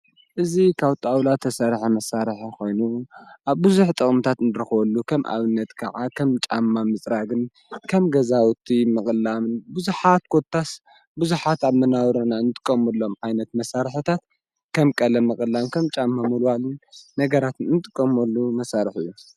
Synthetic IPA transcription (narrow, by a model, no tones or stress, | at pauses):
ʔɨzikʰaβt̪ʼawlat̪ʰːɐsaɾħamɐsaɾħakʰo̞jnuʔaβbuzuħt̪ʼɨχʼmt̪ʰat̪ɨnd̪ɨɾɨxβɐlːukʰɐmʔa̰βɨnːɐt̪kʰaʕakʰɐmt͡ʃʼamːamɨt͡sʼɾaɡɨn | kʰɐmɡɐzawt̪ʰimɨχʼɨlamɨnbuzuħat̪̚kʰot̪ʰːas | buzuħat̪aβmɐnawɾɐnaɨnɨt̪ʼɨ̥kʼːɐmɐlːo̞mʕajnɐt̪mɐsaɾħt̪ʰat̪ | kʰɐmkʼɐlɐmːɨχʼɨlːamkʰɐmt͡ʃʼamːamulwalunnɐɡɐɾat̪nɨnɨt̪ʼɨkʼːɐmɐlːumɐsaɾɨħɨjːu